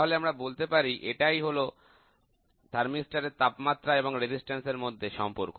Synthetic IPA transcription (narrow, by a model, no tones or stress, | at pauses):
ɦoleamɾabolt̪epaɾiʔeʈajɦolo | d̪ʰʱaɾmisʈaɾeɾt̪apmat̪ːɾaeboŋɾed͡ʑisʈenseɾmod̪ʱːeʃɔmpoɾko